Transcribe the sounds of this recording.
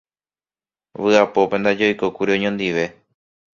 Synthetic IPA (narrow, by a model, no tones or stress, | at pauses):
ʋɨapo̞pe̞nd̪ad͡ʒo̞jkokuɾiõ̞ɲõnd̪iʋe̞